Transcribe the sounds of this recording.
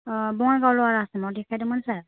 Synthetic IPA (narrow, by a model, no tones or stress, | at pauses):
bɔŋaɡawlɔaɹasɛnɔdɛkʰajdɔmansaɹ